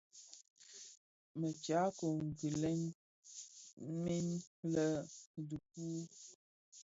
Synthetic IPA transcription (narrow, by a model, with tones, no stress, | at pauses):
mə˨t͡ʃa˨˦ko˨ŋ̩˨ɡi˨lɛ˦n˦ | mi˦nlə˦˨du˨k̚u˦